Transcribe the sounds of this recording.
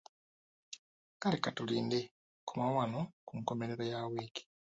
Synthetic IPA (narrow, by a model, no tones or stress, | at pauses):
kalekatuliːnde | kumawanokuŋko̞me̞ɾeɾojaweːki̥